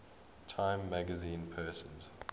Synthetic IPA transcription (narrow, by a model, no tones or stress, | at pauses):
tʰãɪ̃mːæɡəzĩːnpʰɜːˑsə̃nz̥